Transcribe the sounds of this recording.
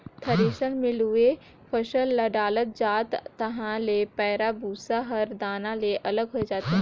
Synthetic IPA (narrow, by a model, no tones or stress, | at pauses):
t̪ʰɐɾeːʃənmɪ̃lɦʊe | pʰəʃəlːɐɖaːlət̪̚d͡ʒaːt̪ːɐɦãlepɛːɾabuːsaɦɐɾd̪aːnãleʔɐləɡɦoed͡ʒaːt̪eɦ